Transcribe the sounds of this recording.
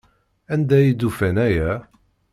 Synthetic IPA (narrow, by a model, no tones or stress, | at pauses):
ænd̪æjid̪ufænæjæ